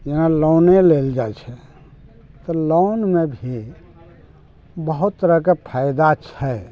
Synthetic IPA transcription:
jənalɔneleld͡ʒat͡ʃʰɛ | t̪ɔlɔnmẽbʱi | bəɦut̪ːəɾəkepʰaɪd̪at͡ʃʰɛ

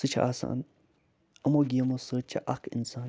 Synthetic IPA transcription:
ɨt͡ʃʰɐʔaːsa̰ːn | ɐmoːɡʲijɐmosəːt͡ʃʰɐ̰ʔɐkʰḭnsaːn

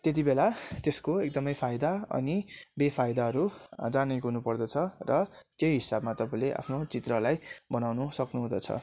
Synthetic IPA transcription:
t̪jet̪̬ibelat̪eskoek̚d̪ʌmʌjpʰajd̪aʌ̰nibepʰajd̪aɦʌɾud͡zanekunupʌrd̪ʌt͡sʰʌrʌt̪jejɦisabmat̪ʌpãĩleʔa̰pʰnot͡sit̪rʌlajbʌnawnusʌknuɦũd̪ʌ̰t͡sʰʌ̰

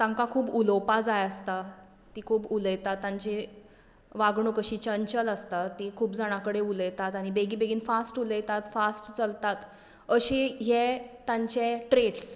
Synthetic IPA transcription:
t̪ãŋkakʰuːbulopad͡zajəst̪a | t̪ikʰuːbuləjt̪at̪ːãɲt͡ɕe | ʋaɡɳokəɕit͡ɕənt͡ɕələst̪at̪ikʰuːbd͡zaɽ̃akəɽeuləjt̪at̪aɽ̃ibeɡiːbeɡiːnfasʈuləjt̪at̪fasʈt͡səlt̪at̪ | əɕiɦɛt̪ãɲt͡ɕeʈɾeʈs

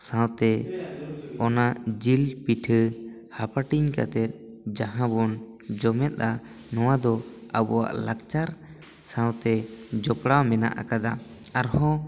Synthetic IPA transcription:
sãwt̪ɛ | ɔnad͡ʒilpiʈʰ | hapaʈiɲka̰t̪ɛt̪̚ | d͡ʒaɦãbɔn | d͡ʒɔmɛt̪̚ˀa | nɔwad̪ɔa̰bɔwa̰ʔlakt͡ʃaɾ | sãwt̪ɛd͡ʒɔpɽawmɛna̰ʔa̰kad̪a | aɾhɔ̃

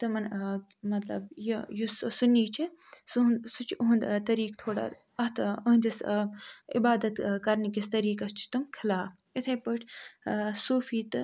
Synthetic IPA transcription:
t̪ɨmɐn | mɐt̪lɐ̰bjijussunːiːt͡ʃʰisunsut͡ʃʰuɦũnd̪t̪ɐɾiːkt̪ʰoːɽɐ̰ | ɐst̪ʰɐɦnd̪is | ḭbaːd̪ɐt̪kɐɾnikist̪ɐɾiːkɐst͡ʃʰi̥t̪ɨmkʰɐlaːf | it̪ʰeːpəʈʰ | suːfiːt̪ɨ

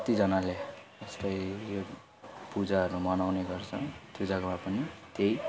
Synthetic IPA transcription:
kʌt̪id͡zʌnale | esʈ̪ʌjjo | pud͡zaʌɾumʌnawneɡʌrt͡sʰʌt̪ud͡zakomapʌnit̪jej

